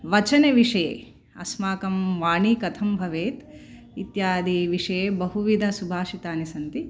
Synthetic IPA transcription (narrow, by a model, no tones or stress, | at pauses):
ʋɐt͡ʃɐneʋiʂɐjḛː | ɐ̰smaːkɐmʋaːɳikɐt̪ʰɐmbʱɐʋeːt̪ | it̪jaːd̪ʱiʋiʂɐjeːbɐɦuʋid̪ʱɐsubʱaːʃit̪aːnisɐnt̪i